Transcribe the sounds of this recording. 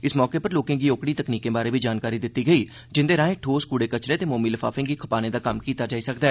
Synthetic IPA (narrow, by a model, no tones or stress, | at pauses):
ɪsmɔːkepɐɾloːkẽk̬ioːkɽit̪ɐkniːkːebaːɾebʱid͡ʒaːnkaːɾid̪ɪt̪ːiɡɐi | d͡ʒɪ̃nd̪eɾãːɦẽʈʰoːskuːɽekɐt͡ʃɾẽt̪emoːmiləfaːfɪ̃kikʰɐpaːnẽd̪akɐmkiːt̪ad͡ʒaːisɐkd̪ɛː